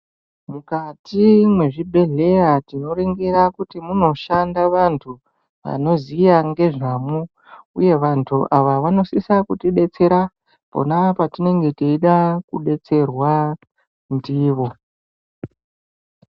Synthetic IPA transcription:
mukatimwe̞ʐibʱe̞ɮe̞ratino̞ɾeŋɡeɾakutimuno̞ʃandaʋantʰu | ʋa̰no̞zijaŋɡe̞ʐamu | uje̞ʋantʰuʔaʋaʋano̞sisakutiɗe̞t͡se̞ɾa | po̰napatine̞ŋɡe̞tiiɗakuɗe̞t͡se̞rwa | ndiːʋo̞

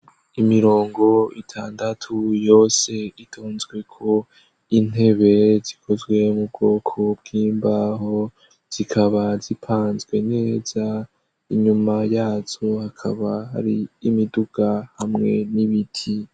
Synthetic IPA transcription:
imiɾo̞ːŋɡo̞itʰaːndatʰujo̞ːse̞itʰoːnzɡwe̞kʰo̞ | in̥e̞βe̞zikʰo̞zɡwe̞mub̚ɡo̞ːkʰo̞bɡiːmbaɦo̞ | z̥ikʰaβazipʰaːnzɡwe̞ne̞ːz̥a | iɲumajaːzohakʰaβaha̰ɾiːmiduɡ̥ahamŋe̞̰niβitʰi

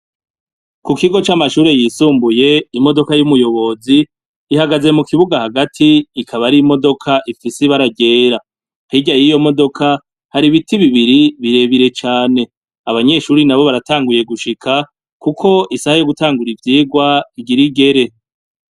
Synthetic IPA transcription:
kukiɡo̞t͡ʃamaʃuːɾe̞jiːsuːmbuje̞imo̞do̞kajumujo̞βo̞ziː | haɡaze̞mukiβuɡahaɡatʰiːkʰaβaɾimo̞do̞kʰaʔifiseβaɾaɟe̞ːɾa | hiɟajijo̞mo̞do̞kʰa | haɾiβitiβiβiɾiβiɾe̞βiɾe̞t͡ʃaːne̞ | aβaɲe̞ʃuːɾinaβo̞βaɾataːŋɡuje̞ɡuʃikʰa | kukʰo̞ʔisahajo̞ɡutaːŋɡuɾivjiːɡwaiɡiɾiɡe̞ɾe̞

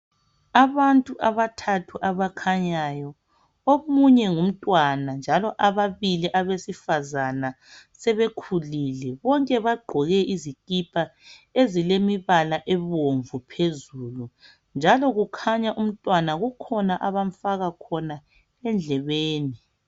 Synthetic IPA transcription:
aβantʼuʔaβatʰatʰuʔaβakʰaɲajɔ | omuɲɛŋum̩tʼwanand͡ʒʱalɔʔaβaβiliʔaβesifazana | sɛβekʰulilɛβɔŋkʼɛβaɡ͡ǃʱɔɣɛʔizikʼipʰʼaezilemiβalaʔɛβoɱvupʰezulu | nd͡ʒʱalɔɣukʰaɲaʔum̩tʼwanaɣukʰɔnaʔaβaɱfaɣakʰɔna | ɛnd͡ɮʱɛβeːni

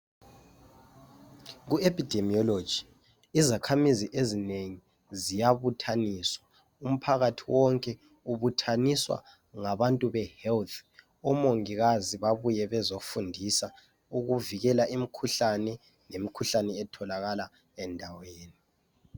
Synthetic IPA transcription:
ɣuepʰʼid̥ʱemiɔlo̥d͡ʒ̥ʱi | izakʰamiziʔezineŋi | zijaβutʰaniːswa | um̩pʰaɣatʰiwɔŋkʼɛ | uβutʰaniswa̰ | ŋaβantʼuβɛhɛlt̪ʰ | ɔmoŋiɣaziβaβujɛβɛzofundʱisa | uɣuviɣɛlaʔimikʰuɬanɛ | nemikʰuɬanɛɛtʰɔlaɣala | ɛndʱaweːni

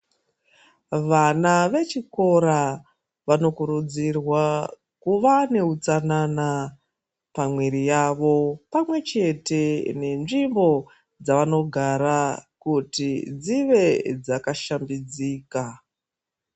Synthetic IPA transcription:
ʋanaʋe̞t͡ʃiko̞ɾa | ʋano̞kuɾud͡zirwa | kuʋane̞ut͡sanana | pamweɾijaʋo̞pamwe̞t͡ʃe̞te̞ne̞nʐimbo̞ | d͡zaʋano̞ɡʱaɾakutid͡ziʋe̞d͡zakaʃambid͡ziːka

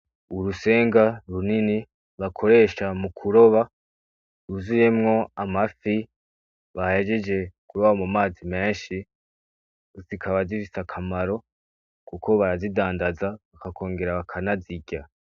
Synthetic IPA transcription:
uɾuse̞ːŋɡaɾunini | βakʰo̞ɾe̞ːʃamukʰuɾo̞βa | uzuje̞mŋo̞amafi | βahhed͡ʒed͡ʒe̞kuɾoβamumaːzime̞ːnʃi | zikʰaβazifisakʰamaɾo̞ | kukʰo̞βaɾazidaːndazaβakakʰo̞ːŋɡe̞ɾaβakʰanaziɟa

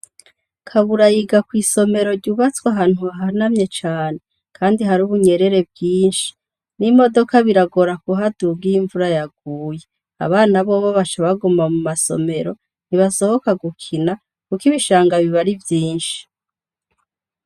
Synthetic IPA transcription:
kʰaβuɾajiɡakwiːso̞me̞ɾo̞ɾɟuβat͡swaɦaːn̥huaɦanamɲe̞t͡ʃaːne̞ | kʰaːndiɦaɾuːβuɲe̞ɾe̞ɾe̞bɡiːnʃi̥ | nimo̞do̞kaβiɾaɡo̞ɾakuɦadubɡiiɱvuɾajaɡ̥̚uːje̞ | a̰βaːnaβoβoβat͡ʃaβaɡumamumaso̰me̞ɾo | n̥iβaso̞ho̞kaɡukʰina | kukiβiʃaːŋɡaβiβaɾivjiːnʃi̥

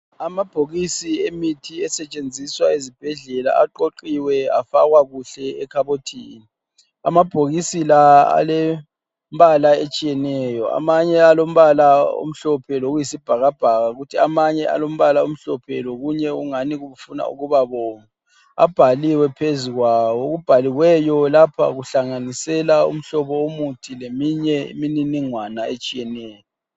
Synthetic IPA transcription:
amab̥ʱoɣisiemitʰiɛsɛt͡ʃʼend͡zʱiswaezib̥ʱɛɮɛla̰aǃoǃiwɛafaɣwaɣuɬɛɛkʰaβotʰiːni | a̰mab̥ʱoɣisilaa̰lɛ | mbalaet͡ʃʼijɛnɛjɔa̰maɲɛalom̩βalao̰m̩ɬɔpʰɛloɣujisib̥ʱaɣab̥ʱaɣaɣutʰiamaɲɛa̰lom̩βalaom̩ɬɔpʰɛ̰loɣuɲɛuŋaniɣuβufuna̰ṵɣuβaβɔːma | a̰b̥ʱaliwɛpʰeziɣwawɔɣub̥ʱaliwɛjɔlapʰa̰ɣuɬaŋanisɛlaṵm̩ɬɔβɔomutʰilemiɲɛḭmininiŋwanaet͡ʃʼijɛnɛːjɔ

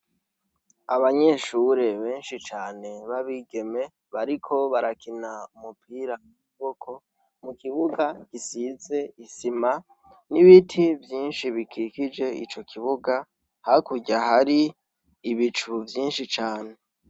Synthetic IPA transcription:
aβaɲe̞ʃuɾe̞βe̞ːnʃit͡ʃaːne̞βaβiːɡe̞me̞ | βaɾikʰo̞βaɾakinaumupʰiːɾaiuβokʰo̞ | mukiβuɡakisize̞isima | niβitʰivjiːnʃiβikʰikid͡ʒe̞ḭt͡ʃo̞kʰiβuɡa | hakuɟahaɾiː | βit͡ʃuvjiːnʃit͡ʃaːne̞

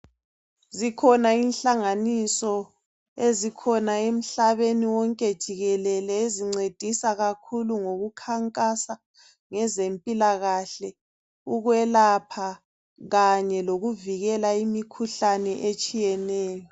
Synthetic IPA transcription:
zikʰɔnainɬaŋanisɔ | ezikʰɔnaem̩ɬaβeniwɔŋkʼed̥ʒ̥ʱiɣɛlɛlɛeziŋ͡ǀed̥ʱisaɣakʰuluŋoɣukʰaŋkʼasa | ŋɛzempʼilaɣaɬɛ | uɣwɛlapʰa | ɣaɲɛloɣuviɣɛlaimikʰuɬanɛʔet͡ʃʼijɛnɛːjɔ

